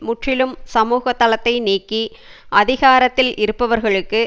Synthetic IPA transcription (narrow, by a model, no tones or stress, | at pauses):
mʊʈrɪlɯmsɐmuːɣɐt̪ːɐlɐt̪ːɐɪniːkːiʔɐðɪɣaːɾɐt̪ːɪlʔɪɾɯpːɐʋɐɾɣɐɭɯkːɯ